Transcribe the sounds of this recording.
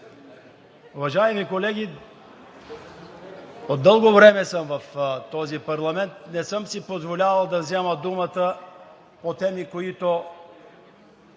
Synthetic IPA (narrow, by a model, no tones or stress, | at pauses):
uvɐʒaɛmikolɛɡ̟ʲi | od̪ːɤlˠɡovɾɛmɛsəmvɐft̪ɔzipɐɾlˠɐmɛnt̪̚nɛsɤmsipozvolʲavɐlˠd̪ɐvzɛməd̪umət̪ə | pot̪ɛmikoit̪o